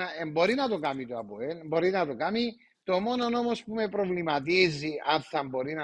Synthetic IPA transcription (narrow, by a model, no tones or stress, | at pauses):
ɐembo̞ɾinɐt̪okɐmit̪oɐpoenbo̞ɾinɐt̪okami | t̪o̞mo̞no̞no̞mospume̞pɾovlimɐt̪̬iziɐnθɐmbo̞ɾinɐ